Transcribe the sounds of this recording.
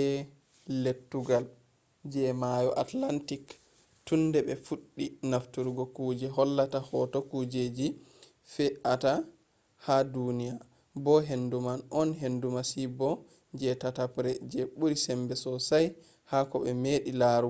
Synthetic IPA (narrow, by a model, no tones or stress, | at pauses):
ɛ | letːuɡal | d͡ʒɛmajɔʔatlantik | tundɛɓɛfuɗːinaftuɾɡɔkud͡ʒɛɦɔlːatahɔtɔkud͡ʒed͡ʒi | fɛata | hadunija | bɔɦendumanɔnɦendumasibɔ | d͡ʒɛtatapɾɛd͡ʒɛɓuɾisɛmbɛsɔsaj | hakɔbɛmeɗilaɾu